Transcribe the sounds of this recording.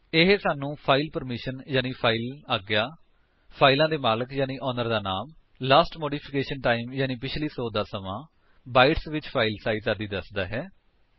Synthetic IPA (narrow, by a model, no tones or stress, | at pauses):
ɪɦsaːnũːpʰaːiːlpəɾmɪʃənjaːniːpʰaːiːlaːɡɪjaː | pʰaːilãːd̪eːmaːləkjaːnĩːʔɔːnəɾd̪aːnaːm | laːsʈmoːɖiːpʰɪkeːʃənʈaːimjaːnĩːpɪt͡ʃʰliːsoːd̪aːsəmãː | baːɪʈsʋɪt͡ʃpʰaːilsaːiːsəɾd̪iːd̪əsd̪aːɦɛː